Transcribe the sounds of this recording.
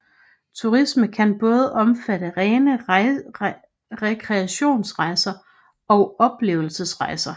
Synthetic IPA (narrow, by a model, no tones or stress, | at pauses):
t͡sʰuʁisməkʰænb̥ɔ̽ːð̞ˠʔɒ̽mfæɾ̥əʁɛːnə | ʁɛkʰʁɛæɕo̝̰ːnsʁɑ̈ɪsɐ | ɒ̽ʊɒ̽b̥le̝̰ːʊl̩səsʁɑ̈ɪsɐ